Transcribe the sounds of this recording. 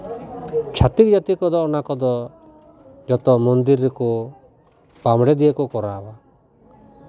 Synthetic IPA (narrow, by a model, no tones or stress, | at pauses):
t͡ʃʰat̪ik̚d͡ʒat̪ikɔd̪ɔːnakɔd̪ɔ | d͡ʒɔt̪ɔmɔnd̪iɾːɛku | pamɽɛd̪ijekɔkɔɾaba